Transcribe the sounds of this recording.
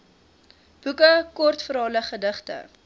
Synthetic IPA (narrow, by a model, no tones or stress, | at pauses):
b̥ukəkɔrtfəɾɦɑləχədəχtə̰